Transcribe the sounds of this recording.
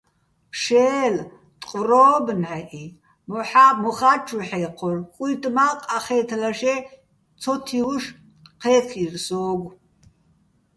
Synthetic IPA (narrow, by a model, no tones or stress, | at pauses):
ʃɛːl | t̪ʼqʼɔrɔːbnħɛʔi | mɔħamɔχat͡ʃʰuħɛqʰɔrkʼujt̪ʼmaqʼaχɛːt̪ʰlaʃɛ | t͡sʰɔt̪ʰiwʃ | qʰɛkʰirsɔːɡʷ